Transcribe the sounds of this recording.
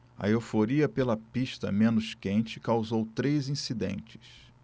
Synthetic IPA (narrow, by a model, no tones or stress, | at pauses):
ɐ̰ewfoɾiɐpelɐpiʃt̪ɐ̰mẽnʊʃkẽnt͡ʃɪkawzowt̪ɾezĩsid̪ḛ̃nt͡ʃɪ̥s